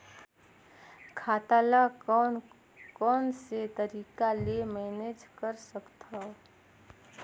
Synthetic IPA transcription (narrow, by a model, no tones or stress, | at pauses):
kʰaːt̪aːla | kɔːnset̪əɾiːkalemɛːned͡ʒkəɾsəkt̪a